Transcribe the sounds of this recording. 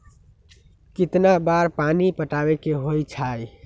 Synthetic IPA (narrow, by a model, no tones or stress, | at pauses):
kit̪nabaɾpanipəʈabekeɦojt͡ʃʰaj